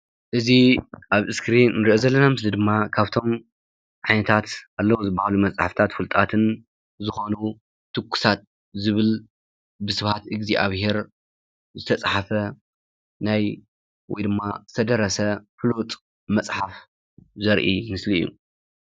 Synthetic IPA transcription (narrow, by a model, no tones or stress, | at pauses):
ʔɨziʔaβɨskɾinːɨɾiʔozɐlːɐnamɨslid̪ɨmːakʰaβt̪ʰo̞m | ʕajnɐt̪ʰat̪ʔalːɐwzɨbːahalumɐt͡sʼħaft̪ʰat̪fɨlt̪ʼat̪ʰɨn | zɨxo̞nu | t̪ʰːɨkːu̥sat̪̚ | zɨβɨl | bɨsɨβhat̪ɨɡziʔa̰βhe̞ɾ | zɨt̪ʰɐt͡sʼħafɐ | naj | wʔɔ̰jd̪ɨmːazɨt̪ʰɐd̪ɐɾɐsɐfɨlut̪ʼ | mɐt͡sʼħaf | zɐɾʔimɨslḭjːṵ